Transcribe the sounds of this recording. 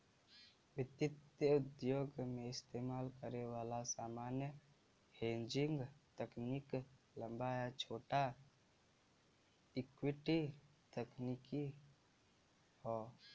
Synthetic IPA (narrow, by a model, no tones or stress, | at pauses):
ʋɪt̪ɪt̪jəʊd̪joːɡmẽɪst̪eːmaːlkəɾewaːlasaːmaːnjə | hẽːɲd͡ʒɪ̃ŋɡt̪əknik | lə̃mbajat͡ʃʰoːʈa | ɪkwiʈi | t̪əkniki | hɔ